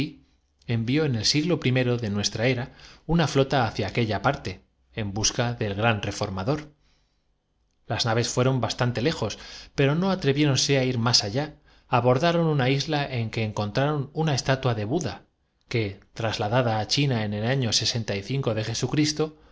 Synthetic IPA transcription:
i | e̞mbjo̞ene̞lsiɣlo̞pɾime̞ɾo̞ðe̞nwe̞st̪ɾae̞ɾaunaflo̞t̪aːθjaːke̞ʎapaɾt̪e̞ː | mbuskaðe̞lɣɾanre̞fo̞ɾmaðo̞ɾ | laznaβ̞e̞sfwe̞ɾo̞mbast̪ant̪e̞le̞xo̞spe̞ɾo̞no̞at̪ɾe̞βje̞ɾo̞nse̞aiɾmasaʎaː | βo̞ɾðaɾo̞nunaizlaʔe̞ŋke̞ːŋko̞nt̪ɾaɾo̞nunae̞st̪at̪waðe̞βuða | ke̞t̪ɾazlaðaðaːt͡ʃinae̞ne̞laɲo̞se̞se̞nt̪aiθiŋko̞ðe̞xe̞sukɾist̪o̞

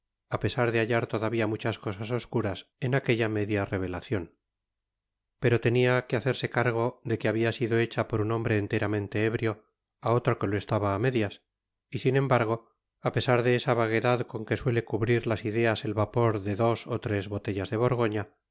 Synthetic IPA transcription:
ape̞saɾðeaʎaɾt̪o̞ðaβiamut͡ʃasko̞saso̞skuɾasenake̞ʎame̞ðjare̞β̞e̞laθjo̞n | pe̞ɾo̞t̪e̞niakeaθe̞ɾse̞kaɾɣ̞o̞ðe̞keaβiasiðo̞e̞t͡ʃapo̞ɾuno̞mbɾe̞ːnt̪e̞ɾamẽ̞nt̪e̞eβɾjo̞ | ao̞t̪ɾo̞ke̞loe̞st̪aβaːme̞ðjas | isine̞mbaɾɣo̞ | ape̞saɾðe̞esaβaɣe̞ðaðko̞ŋke̞swe̞le̞kuβɾiɾlasiðe̞ase̞lβapo̞ɾðe̞ðo̞sot̪ɾe̞zβo̞t̪e̞ʎazðe̞β̞o̞ɾɣo̞ɲa

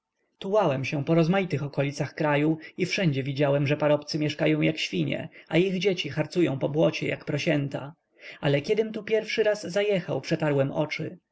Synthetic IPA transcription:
t̪uwawɛmɕɛ̃pɔɾɔzmajit̪ɘxɔkɔlʲit̪saxkɾajuifʂɛɲd͡ʑɛvʲid͡ʑawɛmʐɛpaɾɔpt̪sɘmʲjɛʂkajɔ̃w̃jakɕfʲiɲɛ̰ʔaiɣd͡ʑet͡ɕixaɾt̪sujɔ̃w̃pɔbwɔt͡ɕɛ̰ja̰kpɾɔɕɛnt̪a̰ | alɛkʲjɛd̪ɘmt̪upʲjɛɾfʂɘɾazːajɛxawpʂɛt̪aɾwɛmɔ̰t͡ʂɘ

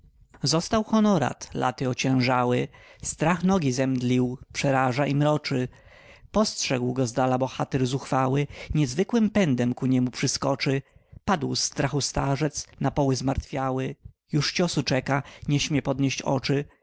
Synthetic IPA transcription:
zɔst̪awxɔnɔɾa̰t̪lʔa̰t̪ɘɔt͡ɕɛ̃w̃ʐawɘst̪ɾaxnɔɡʲizɛmd̪lʲiwpʂɛɾaʐaʔimɾɔt͡ʂɘ | pɔstʂɛɡwɡɔzd̪alabɔxat̪ɛɾzuxfawɘɲɛzvɘkwɘmpɛnd̪ɛmkuɲɛmupʂɘskɔt͡ʂɘpad̪wst̪ɾaxust̪aʐɛt̪snapɔwɘzmaɾt̪fʲjawɘ | juʂt͡ɕɔsut͡ʂɛkaɲɛɕmʲjɛpɔd̪ɲeɕt͡ɕɔ̰t͡ʂɘ

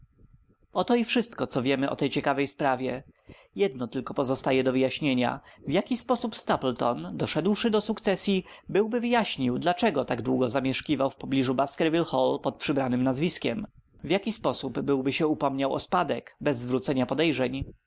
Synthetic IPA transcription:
ɔt̪ɔifʂɘst̪kɔt̪sɔvʲjɛmɘʔɔ̰t̪ɛjt͡ɕɛkavɛjspɾavʲjɛ | jɛd̪nɔt̪ɘlkɔpɔzɔst̪ajɛd̪ɔvɘjaɕɲeɲa̰vjakʲispɔsupst̪aplt̪ɔnd̪ɔʂɛd̪wʂɘd̪ɔsukt̪sɛsʲjibɘwbɘvɘjaɕɲiwd̪lat͡ʂɛɡɔt̪aɡd̪wuɡɔzamʲjɛʂkʲivawfpɔblʲiʐubaskɛɾvʲilxɔlpɔt̪̚pʂɘbɾanɘmnazvʲiskʲɛm | vʲjakʲispɔsubːɘwbɘɕɛupɔmɲawɔ̰spad̪ɛkbɛzːvɾut̪sɛɲapɔd̪ɛjʐɛɲ

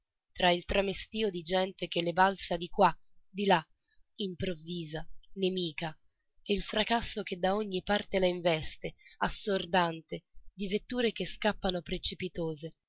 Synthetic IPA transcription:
t̪ɾailt̪ɾamest̪iːod̪id͡ʒɛnt̪ek̟elːebalsad̪ikwad̪ila | impɾovːiːzanemiːka | eilfɾakasːoked̪aoɲːipart̪elaiɱvɛst̪easːord̪ant̪ed̪ivet̪ːuːɾek̟eskapːanopɾet͡ʃipit̪oːze

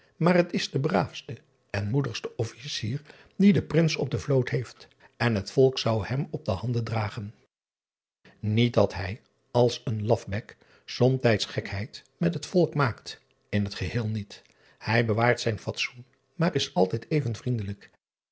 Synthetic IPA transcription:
maːrɦətɪzdəbraːfstə | ɛnmudəχstəʔɔfisiːɹ | didəprɪnsɔb̚dəvlowtɦejft | ɛnɦətfɔlˠksɑwhɛmɔb̚dəhɑndəndraːχən | nit̚dɑtɦɛj | ɑlˠsənlɑfbɛk | sɔmtɛjtsχɛkɦɛjtmɛtɦətfɔlˠkmaːkt | ɪnɦətχəhɪːlˠnit | hɛjbəʋaːɹtsɛjnfɑtsun | maːrɪsɑlˠtɛjtejvənvrindələk

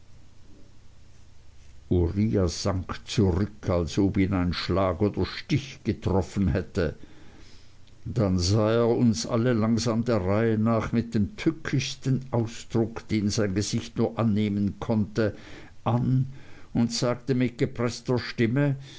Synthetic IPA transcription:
ʔuʁiːaz̥aŋkt͡suʁʏkʰalsoːbiːnaɪnnʃlaːɡoːd̥ɐʃtɪçɡ̥ətʁ̥ɔfnhɛtə | d̥anzaːeːɐʊnsʔa̰ləlaŋzaːmdeːɐʁaɪənaːχmɪt̚d̥eːmtʰʏkʰɪçstənʔaʊsd̥ʁʊkd̥eːnzaɪnɡəz̥ɪçtnuːɐʔanːeːmənkʰɔntə | ʔanʊntz̥aːktəmɪt̚ɡ̥əpʁ̥ɛstɐʃtɪmə

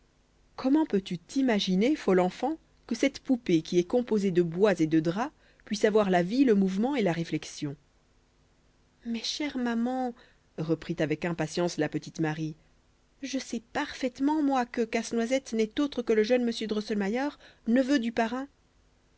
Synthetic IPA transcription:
kʰɔmɑ̃pøt̪yt̪imaʒinefɔlɑ̃fɑ̃ | kəsɛt̪pupekʲiɛkɔ̃pozed̪əbwazed̪əd̪ʁa | pɥisavwaʁlaviləmuvmɑ̃elaʁeflɛksjɔ̃ | mɛʃɛʁmamɑ̃ | ʁəpχit̪avɛkɛ̃pasjɑ̃slapət̪it̪maʁi | ʒəsɛpaʁfɛt̪mɑ̃mwakəkasnwazɛt̪nɛt̪ot̪χəkələʒœnməsjød̪ʁɔsɛlmajœʁnəvød̪ypaʁɛ̃

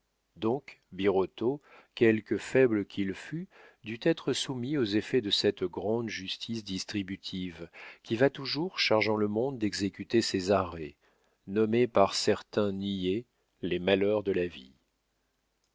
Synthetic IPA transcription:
d̪ɔ̃kbiʁɔt̪o | kʲɛlkəfɛbləkʰʲilfyd̪yt̪ɛt̪χəsumiozefɛd̪əsɛt̪ɡʁɑ̃d̪ʒyst̪ʰisd̪ist̪χibyt̪ʰivkʲivat̪uʒuʁʃaʁʒɑ̃ləmɔ̃d̪ːɛɡzekʲyt̪esezaʁɛ | nɔmepaʁsɛʁt̪ɛ̃nije | lemalœʁd̪əlavḭ

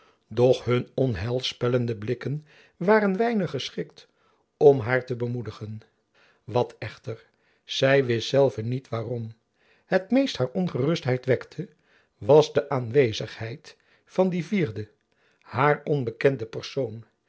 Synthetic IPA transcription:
dɔχɦɵnɔnɦɛlˠspɛləndəblɪkən | ʋaːɾənʋɛjnəχːəsχɪkt | ɔmɦaːɹtəbəmudəχən | ʋɑtɛχtəɹ | z̥ɛjʋɪstsɛlˠvənitʋaːrɔm | ɦətmejsthaːɹɔnχərɵstɦɛjtʋɛktʰə | ʋɑzdəʔaːnʋejzəχhɛjt | fɑndiviːɹdə | haːɹɔnbəkɛndəpəɹsown

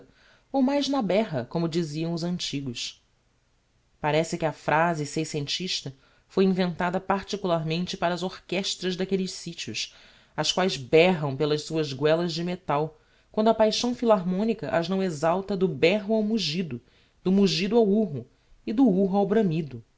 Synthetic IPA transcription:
owmajznɐbɛɦɐkõmʊd͡ʒiziɐ̃w̃ʊzɐ̃nt͡ʃiɡʊs | paɾɛsɪkʲɪɐfɾʔazɪsejsẽnt͡ʃiʃt̪ɐ | fojĩvẽnt̪ad̪ɐpaɾt͡ʃikulˠaɾmẽnt͡ʃɪpaɾɐːzohkɛʃt̪ɾɐzd̪akelɪʃsit͡ʃiʊs | ɐskwajzbɛɦɐ̃w̃pelɐʃsuɐzɡwɛlɐzd͡ʒɪmet̪aw | kwɐ̃nd̪ʊɐpajʃɐ̃w̃filaɦmõnikɐʔɐʒnɐ̃w̃ezawt̪ɐd̪ʊbɛɦʊawmuʒid̪ʊ | d̪ʊmuʒid̪ʊawuɦʊ | ɪd̪ʊuɦʊawbɾɐ̃mid̪ʊ

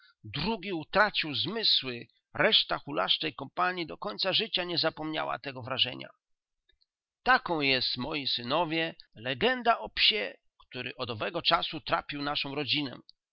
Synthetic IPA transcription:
d̪ɾuɡʲiut̪ɾat͡ɕiwzmɘswɘ | ɾɛʂt̪axula̰ʂt͡ʂɛjkɔmpaɲjid̪ɔkɔɲʲt̪saʐɘt͡ɕaɲɛzapɔmɲa̰wa̰t̪ɛɡɔvɾaʐɛ̰ɲa̰ | t̪akɔ̃w̃jɛst̪mɔjisɘnɔvʲjɛlɛɡɛnd̪aʔɔpɕɛ | kt̪uɾɘ̰ʔɔd̪ɔvɛɡɔt͡ʂasut̪ɾa̰pʲiwnaʂɔ̃w̃ɾɔd͡ʑinɛ̰

